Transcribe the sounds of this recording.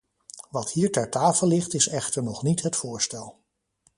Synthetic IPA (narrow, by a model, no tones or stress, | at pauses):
ʋɑthiːɹtɛɹtaːfəlːɪχtɪsɛχtəɹnɔχnitɦətfʊːɹstɛlˠ